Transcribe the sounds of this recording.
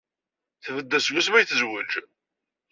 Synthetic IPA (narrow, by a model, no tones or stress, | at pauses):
θvəd̪ːæswusmæjθzwəd͡ʒ